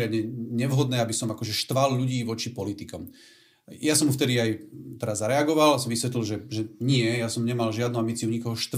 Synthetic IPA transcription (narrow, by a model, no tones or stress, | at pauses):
ɪad̪ɲɛɲɛʋɦɔd̪nɛːabisɔmakɔʒɛʃt̪ʋalʎuɟiːʋɔt͡ʃipɔlit̪ikɔm | jasɔmft̪ɛd̪iajt̪ɛɾazaɾɛaɡɔʋalsɔmʋisʋɛt̪lilʒɛʒɛɲɪɛjasɔmɲɛmalʒɪad̪nuambit͡siuɲikɔɦɔʃt̪